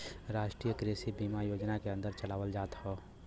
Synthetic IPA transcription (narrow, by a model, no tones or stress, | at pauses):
ɾaːʃʈɾiːjəkɾeːsibiːmajoːd͡ʒnakeɐ̃nd̪əɾt͡ʃəlaːʋəld͡ʒaːt̪hoː